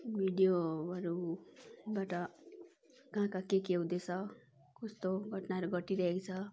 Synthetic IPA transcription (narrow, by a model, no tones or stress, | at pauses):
bʱiɖijoʌɾu | baʈʌ | kɦãkakekeũd̪et͡sʰʌ | kust̪oɡʱʌʈnaʌɾuɡʱʌʈiɾʌɦekt͡sʰʌ